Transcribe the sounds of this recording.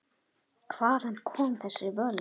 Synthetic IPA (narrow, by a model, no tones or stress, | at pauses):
kʰvaːðanːkʰɔːmθɛsːɪvœːl